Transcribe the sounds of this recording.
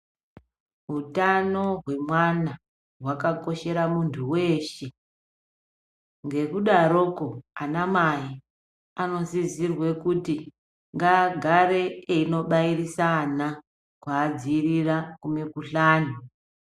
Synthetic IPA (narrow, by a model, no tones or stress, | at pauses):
ɦutano̞ɦwe̞mwana | ɦwakako̞ʃe̞ɾamuntʰuwe̞ːʃe | ŋɡe̞kuɗaɾoko̞anamai | ano̞zisirwe̞kuti | ŋɡaɡʱaɾe̞eino̞ɓairisana | kwaːd͡ziːrirakume̞kuɬaːnu